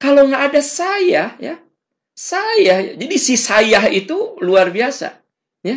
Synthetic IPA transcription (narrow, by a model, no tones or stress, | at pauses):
kalawŋaʔːdasajahja̰ | sajahja̰d͡ʒadisisajahit̪uluarbiasa̰ | ja